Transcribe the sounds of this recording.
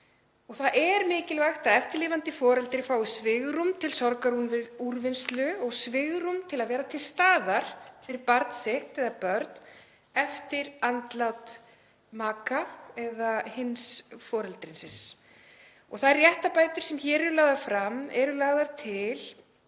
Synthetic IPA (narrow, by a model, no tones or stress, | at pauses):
ɔɣθaðʔɛɾmɪːcɪlvaxt̪aɛft̪ɪɾlɪːvant̪ɪfɔːɾɛlt̪ɪɾɪfaːwɪsvɪɣɾʏmt̪ʰɪlsɔɾkaɾhunvɪðuɾvɪnst̪lʏɔɣsvɪɣɾʏmt̪ʰɪlaðvɛːɾat̪ʰɪlst̪aːðaɾ̥fɪɾɪɾpaɾt̪n̥sɪht̪ɛðapœɾt̪n | ɛft̪ɪɾant̪lat̪ | maːkaɛðahɪnsfɔːɾɛlt̪ɾɪnsɪns | ɔɣθaðɛrjɛht̪apaːjt̪ʏɾ̥sɛmçɛːɾɛɾʏlaːɣðafɾamɛɾʏlaɣðaɾt̪ʰɪl